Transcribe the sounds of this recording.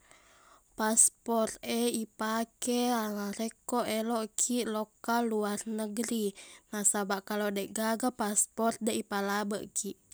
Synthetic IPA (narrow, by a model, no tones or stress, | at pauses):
paspɔt̪ɛipakɛaŋaɾekɔʔelɔʔkʰiʔlokalːuarnəɡɾinahsabaʔkalodaʔɡaɡapaspɔrt̪̚dɛʔipalabəʔkʰiʔ